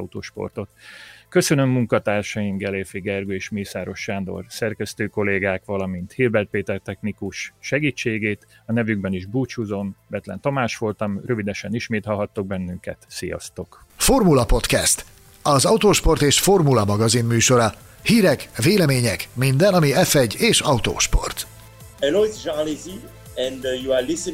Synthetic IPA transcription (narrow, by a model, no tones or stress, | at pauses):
ut̪o̰ːʃpo̰rt̪o̞t̪kø̞sønø̞mːuŋkɒt̪aːrʃɒjimɡɛleːfiɡɛrɡøeːʃmiːsaːɾo̞ʃːaːnd̪o̞̰rsɛrkɛst̪øːko̞leːɡaːkʋɒlɒmint̪hiːrbɛrt̪̚peːt̪ɛrt̪ɛxnikuʃʃɛɡiːt͡ʃːeːɡeːt̪ | ɒnɛvyɡbɛniʒbuːt͡ʃuzo̞mbɛt̪lɛ̰nt̪omaːʃʋo̞lt̪ɒmrø̞vid̪ɛʃɛniʃmeːt̪hɒlɦɒt̪ːoɡ̚bɛnːyŋkɛ̰t̪sijɒ̰st̪o̞k | fo̞rmulɒpo̞t̪kɛst̪ | ɒzɒut̪oːʃpo̞rt̪eːʃfo̞rmulɒmɒɡɒzimːyːʃo̞ɾɒ | hiːɾɛkveːlɛmeːɲɛkmind̪ɛnɒmiɛfɛɟeːʃɒut̪o̰ːʃpo̞̰rt̪ | ɛloizd͡ʒanlizi | ɛ̃ndjualisə